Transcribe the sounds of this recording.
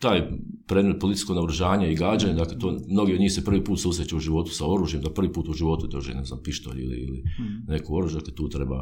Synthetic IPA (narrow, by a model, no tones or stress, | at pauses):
t̪aːj | pɾeːd̪met̪polit̪i̥sko̞ɡnauɾuʒaːɲaiɡɾad͡ʒaɲad̪aklet̪oːmno̞ɡiod̪ɲiːhsepr̩ʋiːpuːt̪suːsɾet͡ɕeuʒiʋo̞t̪u̥sao̞ɾuːʒje̞md̪apr̩ʋiːpuːt̪uʒiʋo̞t̪ud̪oʒiḛnezna̰ːmpiʃt̪o̰ʎḭlḭḭlḭne̞kuo̞ɾuːʒjd̪aket̪uːt̪ɾe̞ba̰